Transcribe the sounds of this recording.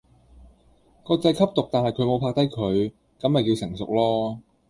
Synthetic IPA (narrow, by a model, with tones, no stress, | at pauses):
kɔː˧t͡sɐ˧jkʰɐ˥p̚t̪ʊ˨k̚t̪aː˨˩nɦɐ˨˩jkʰɵ˨˧ɥmo˨˧wpʰaː˧k̚t̪ɐ˥jkʰɵ˨˧ɥ | kɐ˨˥mːɐ˨jki˧wsɪ˨˩ŋsʊ˨k̚lɔː˥